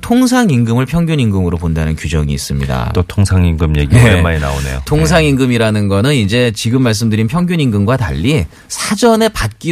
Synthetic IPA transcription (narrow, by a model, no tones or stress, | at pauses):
tʰoŋs̬ʰaŋiŋɡɯmɯɭpʰjʌŋɡjuɲiŋɡɯmɯɾopondanɯnkud͡ʑʌ̰ŋiːs͈ɯmɲida̰t͈otʰoŋsʰaŋiŋɡɯmɲḛɡiemːaɾina̰one̞jo̰tʰoŋs̬ʰaŋinɡɯmiɾanɯnɡʌnɯnid͡ʑe̞t͡ɕiɡɯmːaɭs̬͈ɯmdɯɾinpʰjʌŋɡjuɲiŋɡɯmɡwata̰ʎːi | sʰad͡ʑʌne̞pat̚k͈i